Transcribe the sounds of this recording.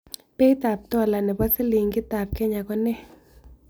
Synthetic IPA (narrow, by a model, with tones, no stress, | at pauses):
pɛ˦i˦t̪a˨p̚t̪ɔ˧˨la˨nɛ˨ba˦se˦li˨ŋɡɪ˦t̪a˨p̚kɛ˦ɲa˨kɔ˧nɛ˦